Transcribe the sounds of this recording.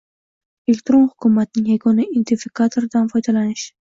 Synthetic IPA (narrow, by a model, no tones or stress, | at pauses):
elek̚t̪ɾo̞nhʊkʰʊmat̪ɪnɪŋjaɡɒnaʔint̪ʰefikʰat̪ʰoɾd̪anfɒjd̪alanɪʃ